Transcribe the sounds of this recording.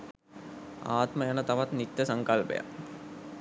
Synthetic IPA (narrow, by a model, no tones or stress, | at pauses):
aːt̪məjanət̪aʋat̪nit̪ːəsaŋkalpḛja̰